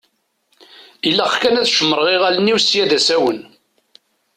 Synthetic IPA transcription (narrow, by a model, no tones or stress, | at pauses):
ilːæχkænæðʃəmːəɾˤʁiʁælənːiwsjæðæsæwən